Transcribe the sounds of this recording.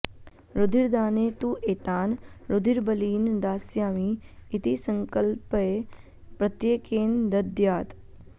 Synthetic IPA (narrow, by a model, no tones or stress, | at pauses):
ɾʊd̪ʱiɾd̪aːneːt̪uʔeːt̪aːnɾʊd̪ʱiɾbəliːnd̪aːsjaːmiːt̪isəŋkəlpe | pɾɐt̪jeːkeːnd̪ɐd̪jaːt̪